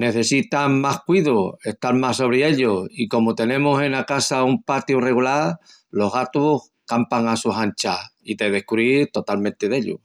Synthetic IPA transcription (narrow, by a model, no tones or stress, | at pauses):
ne̞θe̞sit̪aŋmahkwiðoe̞ht̪aɾmaso̞β̞ɾee̞ʎoiko̞mot̪e̞nẽ̞mose̞nakasaumpat̪jure̞ɣulaɾ | lo̞ɦɣat̪uh | kampaŋasuɦant͡ʃaiðe̞ð̞e̞hkuβɾit̪o̞t̪almẽnt̪e̞ðe̞ʎṵ